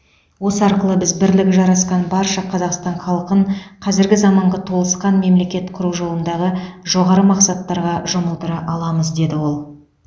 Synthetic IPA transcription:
wo̞səɑɾqəlˠəbɪzbɪɾlɪkʲɪʒɑɾɑsqɑnbɑɾʃɑqʰɑzɑqst̪ɑɴχɑlˠqəɴqʰɑzɪɾɡʲɪzɑmɑɴʁɑt̪ʰo̞lˠəsqɑnme̞mle̞kʲe̞t̪qʰʊɾuʒo̞lˠənd̪ɑʁəʒo̞ʁɑɾəmɑqsɑt̪ːɑɾʁɑʒoməlˠt̪əɾɑʔɑlˠɑməzd̪e̞d̪ɪwo̞lˠ

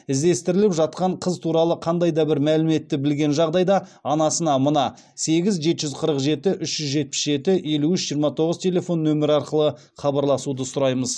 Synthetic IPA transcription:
ɪzd̪e̞st̪ɪɾɪlɪpʒɑt̪̚qɑɴqʰəzt̪ʰuɾɑlˠəqʰɑnd̪ɑjd̪ɑbɪɾmælɪme̞t̪ːɪbɪlɡʲe̞nʒɑʁd̪ɑjd̪ɑɑnɑsənɑmənɑ | se̞ɡʲɪzʒe̞t̪ɪʒʏzqʰəɾəqʒe̞t̪ɪʔʏʃʒ̥ʏzʒe̞t̪̚pɪ̥sʒe̞t̪ɪje̞luʏʃʒijəɾmɑt̪ʰo̞ʁəzt̪ʲʰe̞le̞fo̞nːɵmɪɾɑɾqəlˠə | χɑbɑɾlˠɑsud̪əsʊɾɑjməz

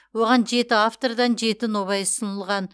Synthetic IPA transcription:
wo̞ʁɑnʒe̞t̪ɪaft̪o̞rd̪ɑnʒe̞t̪ɪno̞βɑjsənəlˠʁɑn

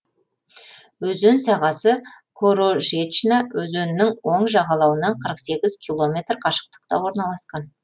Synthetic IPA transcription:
wɵzønsɑʁɑsə | kʰoɾoʒeʃnɑwɵzɵnɪnɪŋwo̞ɴʒɑʁɑlˠɑwənɑɴqʰəɾəqse̞ɡʲɪzkʲʰilˠo̞mʲe̞t̪rqʰɑʃə̥q̚t̪ə̥qt̪ɑ̰wo̞ɾnɑlˠɑsqɑn

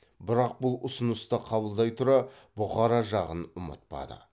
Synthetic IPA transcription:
bɪɾɑq̚bʊlˠʊsənəst̪əqʰɑbəlˠd̪ɑjt̪ʰʊɾɑ | bʊʁɑɾɑʒɑʁənʊmə̰t̪̚pɑ̰d̪ə̰

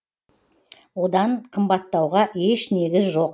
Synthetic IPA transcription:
wod̪ɑɴqʰəmbɑt̪ːɑwʁɑeʃne̞ɡʲɪzʒo̞q

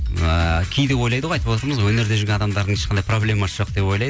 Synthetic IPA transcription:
kʲʰejd̪e̞pwo̞jlˠɑjd̪əwɑjt̪əpwoɑt̪əɾməzwɵne̞ɾd̪e̞ʒʏɾɡʲeɑd̪ɑmd̪ɑɾd̪əɴeʃqʰɑnd̪ɑjpro̞blʲe̞mɑsʒoqd̪e̞pwo̞jlˠɑjd̪ə

